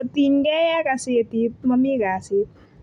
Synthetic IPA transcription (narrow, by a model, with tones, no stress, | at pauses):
t̪inɡɛ˦ja˦ka˧si˦t̪i˧mɐmi˦ɡaː˨si˧